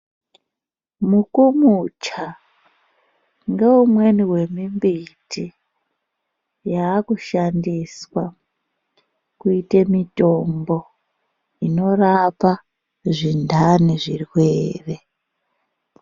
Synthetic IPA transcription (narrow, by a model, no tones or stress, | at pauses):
mukumut͡ʃa | ŋɡe̞umwe̞niwe̞mimbiti | jaːkuʃandiswa | kuitemito̞mbo̞ | ino̞rapa | ʐindaniʐirwweːre